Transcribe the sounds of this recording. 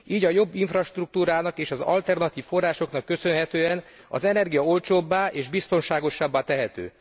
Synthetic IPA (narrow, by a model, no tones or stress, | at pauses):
iːɟɒjo̞bːiɱfrɒʃt̪ruk̚t̪uːɾaːnɒkeːʃɒzɒ̰lt̪ɛrnɒt̪iːffo̞rːaːʃo̞knɒkːø̞sø̞nɦɛt̪øːɛn | ɒ̰zɛnɛrɡijɒo̞lt͡ʃoːbːaːʔeːʒbist̪o̞nʃaːɡo̞ʃːabːaːt̪ɛɦɛt̪ø̰ː